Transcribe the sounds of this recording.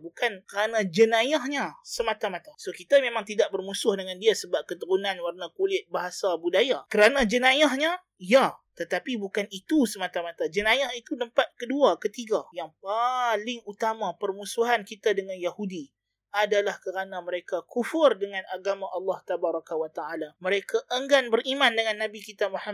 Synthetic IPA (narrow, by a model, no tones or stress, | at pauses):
bukankəɾanad͡ʒənajahɲasəmat̪amat̪asokit̪amemãŋt̪idaʔ̚bərmusʊhdəŋandiasəbap̚kət̪əɾunanwarnakulɪt̪̚baɦasabudajakəɾanãd͡ʒənajahɲa | jat̪ət̪apibukanit̪usəmat̪amat̪ad͡ʒənajahit̪udəmpat̪̚kəduakət̪iɡajaŋpalɪŋut̪amapərmusuɦankit̪adəŋanjahudi | ʔadalahkəɾanaməɾekakufʊrdəŋãnaɡamãʔɑlːɑht̪abaɾˤɑkawat̪aʔalaməɾekaʔəŋɡanbəɾimãndəŋanːabikit̪amaham